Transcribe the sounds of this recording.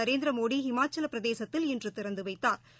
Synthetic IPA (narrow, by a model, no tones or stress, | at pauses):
ɐɾeːnd̪ɾɐmoːɽiɦɪmaːt͡ʃːɐlɐpːɪɾɐðeːsɐt̪ːɪlɛndrɯt̪ɪɾɐnd̪ɯʋɐɪt̪ːaːɾ